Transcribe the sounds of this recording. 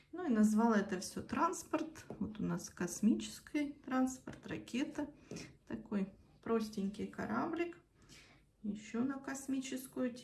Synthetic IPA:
nuinɐzvɑlˠəɛt̪əfsʲɵt̪ɾanspərt̪vot̪ʊnaskɐsmʲit͡ɕɪ̥skəjt̪ɾanspərt̪rɐ̰kʲʰet̪ət̪ɐko̞jpɾosʲtʲɪnʲkʲɪjkɐ̰ɾablʲɪk | jɪɕːonəkɐsmʲit͡ɕɪskʊjʊtʲ

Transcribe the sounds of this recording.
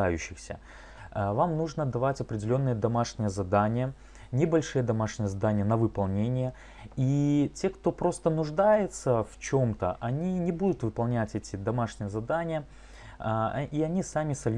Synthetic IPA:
ajʉɕːɪxsʲə̰ | vamnuʐnəd̪ɐvatʲɐpɾʲɪdʲɪlʲo̞nːɨjəd̪ɐmaʂnʲɪjəzɐd̪anʲɪjə | nʲɪbɐlʲʂɨjəd̪ɐmaʂnʲɪjəzɐd̪anʲɪjənəvɨpɐlˠnʲenʲɪjə | itʲe̞kt̪o̞pɾo̞st̪ənʊʐd̪ajɪt̪səft͡ɕo̞mt̪ə̰ʔɐnʲinʲɪbud̪ʊt̪vɨpɐlˠnʲætʲɛtʲɪd̪ɐmaʂnʲɪjəzɐd̪anʲɪjə | iɐnʲisamʲɪsɐlʲ

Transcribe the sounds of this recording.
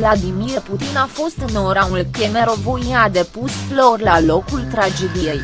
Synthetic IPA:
lad̪imiɾput̪inafo̞st̪ɨnoɾaulkemeɾovoniad̪e̞pusflo̞rlalo̞kult̪ɾad͡ʒe̞d̪ije̞j

